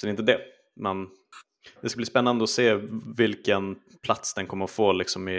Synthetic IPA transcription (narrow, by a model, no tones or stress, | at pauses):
sɔdɛɾɪnt̪əd̪ɛ | mɛn | d̪ɛskabliːspɛnːand̪əɔseːvɪlkən | pʰlat̪sd̪ɛnkʰɔmːəɾɔfoːlɪksɔmɪ